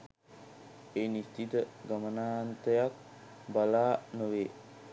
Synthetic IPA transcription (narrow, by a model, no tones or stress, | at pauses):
eːnist̪it̪əɡamənaːnt̪əjak̚ | balaːnəʋeː